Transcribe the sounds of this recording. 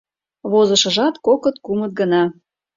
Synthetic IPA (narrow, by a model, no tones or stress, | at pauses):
βozəʃə̆ʒɑt̪kokɤt̪kumət̪̚ɡənɑ